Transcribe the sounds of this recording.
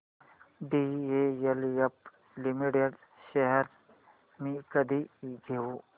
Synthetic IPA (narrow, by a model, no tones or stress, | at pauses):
ɖiejɐljɐp̚ | limiʈeɖ | ʃeɦəɾ | mikɐd̪ʱiɡʱeu